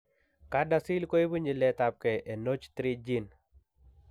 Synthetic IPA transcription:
ka˦dasi˦lko˦e˦bu˦ɲi˨lɛ˦t̪ap̚kɛ˨ʔe˨no˦t͡ʃt̪ɾid͡ʒi˦n

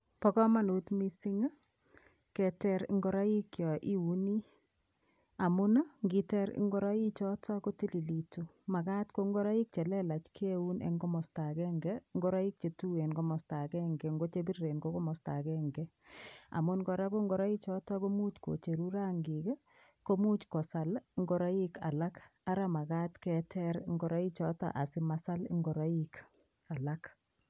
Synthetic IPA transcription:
pɔ˦kɔ˦ma˦˨nu˨tmi˦si˦ŋa˦ | kɛ˨tɛ˦ɾŋɡɔ˦ɾa˦ji˦kjɔ˨ʔi˦u˨ni˦ | a˨mu˦na˦ŋɡi˨tɛ˦ɾ̰ŋɡɔ˦ɾa˦i˦t͡ʃɔ˦tɔ˦ko˦ti˦li˨li˨tu˨ | ma˨ka˦tko˦ŋɡɔ˦ɾa˦i˦k̚t͡ʃe˨lɛ˦la˨t͡ʃkʰe˦wu˦nḛ˨ŋɡɔ˦mɔ˨sta˨kɛ˦ŋɡɛ˦ŋɡɔ˦ɾa˦i˦k̚t͡ʃe˨tu˦e˨nɡɔ˦mɔ˨sta˨kɛ˦ŋɡɛŋɡo˦t͡ʃe˦bi˦rːe˨nɡo˦kɔ˦mɔ˨sta˨kɛŋɡɛ˦a̰˨mu˦nɡɔ˨ɾa˦ko˦ŋɡɔ˦ɾa˦i˦t͡ʃɔ˦ta˦ko˦mu˦t͡ʃko̰˨t͡ʃe˨ɾuɾa˦ŋɡi˨k | ko˦mu˦t͡ʃkɔ˨sa˨lŋɡɔ˦ɾa˦i˦ka̰˨la˦ka˦ɾa˦ma˨ɡaː˦tkɛtʰɛ˦ɾŋɡɔɾa˦i˦t͡ʃɔ˦ta̰˨ʔa˨si˦masa˦lŋɡɔ˨ɾa˦ik | a˨la˦k

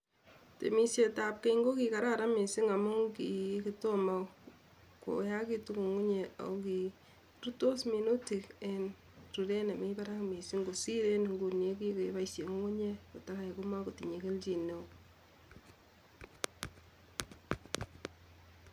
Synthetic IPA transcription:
tḛ˨mi˨se˨ta˨p̚ke˦i˦ŋɡo˦ki˨ka˨ɾa˦ɾa˦me˨si˦ŋa˨mʊ˦ŋki˨ki˦to˦ma˦ | ko̰˨˦ja˦ki˦tu˦ku˨ŋu˦ɲe˨a̰˨o˦ki˨ | ɾu˦to˦smi˨no˦ti˨kn | ɾu˨ɾe˦na˨me˦ba˦ɾa˦kme˨si˦ŋɡo˨si˦ɾe˦nŋɡu˨ne˦ki˦ke˦ba˦isje˨ku˦ŋu˦ɲe˦ko˨ta˦ka˨e˨kʊ˦ma˦ko˨ti˨ɲe˨ke˦lt͡ʃi˨ne˨

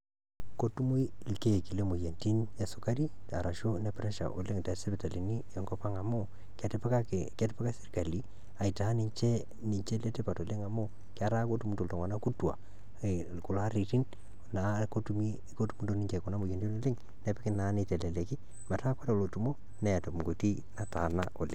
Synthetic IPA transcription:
ko˦tu˦mu˦i˦lke˦˨ki˨le˦mo˨je˨nti˦nɛ˨sʊ˨ka˦ɾi˦a̰˨ɾa˨ʃo˦nɛ˨pɪɾɛ˦ʃa̰˨ʔo̰˨lɪ˦ŋtɛ˨sɪ˦bɪ˨ta˨li˨ni˦ɛ˨ŋkɔ˦pa˦ŋa˨mʊ˦ | ktpakɛ˦tɪ˦pɛ˦ka˦sɪ˦ɾka˨li˨˦ | a˨i˨ta˨˦ni˨ɲt͡ʃɛ˦ | ni˨ɲt͡ʃɛ˦le˦te˦pa˨to˨lɪ˦ŋa˨mʊ˦ | kɪ˦a˨˦ɾa˦ko˦tu˨mu˦nto˨lto˨ŋwa˨na˦ku˦twa̰˨ | kʊ˨la˦ɾi˨ti˦n | na˨ko˦tu˨mi˦ | ko˦tu˦mu˦nto˨ni˦ɲt͡ʃɛ˨kʊ˨na˦mo˨je˨ndi˦no˦lɪ˦ŋ | nɛ˨˦pɪ˦kɪ˦na˨˦nɪ˦tɛ˨lɛ˨le˨kɪ˦ | ma˨ta˦kwa˦ta˨lo˨tu˨mo˦ | nɛ˨ja˨to˨pɡo˨ti˦ | na˦ta˨nao˨lɪ˨ŋ

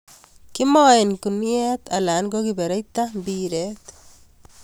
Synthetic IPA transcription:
ki˦mɔ˦e˨nku˨njɛt̪a˨la˨nɡokibɛ˨ɾe˦jt̪ambiɾet̪

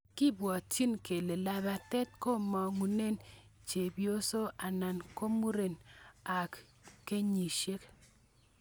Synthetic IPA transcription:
kɪ˦bwɔ˨ti˦nke˨le˨la˨ba˨tɛ˦t̚ko˦mɔ˨ŋu˨ne˦˨nt͡ʃe˨bjo˦so˦a˨na˨nko˦mu˦ɾe˨na˨k | kːe˦ɲi˨ʃe˦k

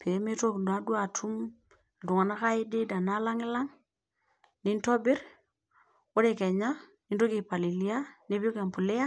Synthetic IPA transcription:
pʰe˨˦me˦to˦knda˦dwa˨tʰu˦m | ltu˨ŋa˨na˦ka˦i˦di˦da˨na˦la˦ŋɪ˦la˦ŋ | ni˦ntɔ˦bɪ˦ɾ | wo˦ɾe˨kɛ˨ɲa˦ | ni˦nto˦ki˨pa˨li˨li˦a˦ni˦pi˦o˦ka˨mpu˨le˦a˦

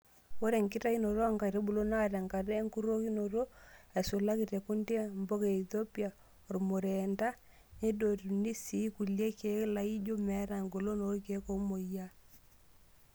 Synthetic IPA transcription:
o˦ɾe˨ŋkɪ˦ta˦i˦no˨ɾo˦a˦ŋka˨ɾe˦bu˨lo˦na˦ɾa˨ŋka˨ɾɛ˦ŋ˦ku˦ɾo˦ki˦no˨ɾo˦ɛ˨so˨la˦ki˨te˨ku˦nde˦˨mbo˦ke˨i˨θo˦pi˦a˨ | o˨ɾmo˨ɾe˨nda˦ | ne˦do˨tni˦si˨˦ku˨lje˦ke˨˦la˨i˦d͡ʒo˦mɛ˨˦ɾa˨ŋɡo˨lo˦no˨˦ke˨˦ko˦mo˨ja˦

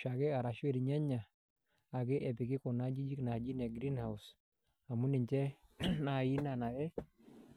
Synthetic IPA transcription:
ʃa˨kɪ˦a˨ɾa˨ʃu˦ɛ˦ɾiɲa˦ɲa˨ | a˨kɪ˦ʔɛ˨pɪ˨kɪ˦kɔ˨na˦d͡ʒi˦d͡ʒi˦kna˨d͡ʒi˦nɛ˨ɡɾi˦nha˨us | a˨mu˦nɪ˨ɲt͡ʃɛ˦na˨ji˦na˨na˨jɛ˦

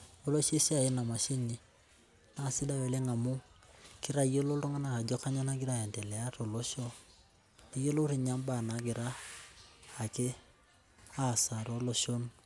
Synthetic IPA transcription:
o˦lo˦ʃe˦ʃa˨i˦na˨ma˨ʃi˦ɲi˨ | na˦˨si˦da˦we˨le˦ŋa˨mu˦ki˦ɾa˦i˦je˦lo˦ɾo˦ŋa˦na˨a˨d͡ʒo˦ka˦ɲa˦na˦ɡi˦ɾa˦˨e˨nte˨lɛ˨a˦to˨lo˦ʃo˦ | i˦je˦lo˦ɾi˨ɲa˦mba˨na˨ɡi˨ɾaː˦˨ | ke˦ | a˦˨sa˨ɾo˦lo˦ʃo˦n

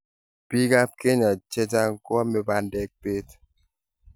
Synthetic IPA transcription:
pi˦ɡa˦p̚ke˦ɲa˨t͡ʃe˦ta˦ŋ̩˦kɔ˦me˦ba˦ndɛ˦k̚pe˦t

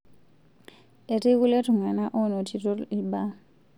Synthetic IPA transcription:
e˨tʼe˦ku˦le˦tʰu˨ŋa˨na˦ʔɔ˦nɔ˨tʰi˨tʼɔ˦i˨ba˦

